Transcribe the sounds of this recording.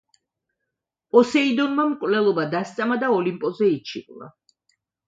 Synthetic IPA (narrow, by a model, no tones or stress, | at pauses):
pʼɔsɛid̪ɔnmamkʼvlɛlˠɔbad̪ast̪sʼamad̪aɔlimpʼɔzɛit͡ʃʰiqʼlˠa̰